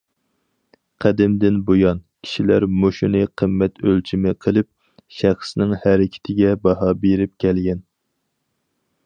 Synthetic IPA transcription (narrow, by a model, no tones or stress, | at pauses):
qʰæd̪ɪmd̪ɪnbojɑn | kʲʰi̥ʃilæɾmoʃunɨqʰəmːɛt̪ʰølt͡ʃʰimɪqʰəlˠɨp̚ | ʃæχsnɪŋhæɾɪkʲʰɪ̥t̪ʰɪɡʲɛbɑɦɑbeɾɪp̚kʲʰɛlɡʲɛn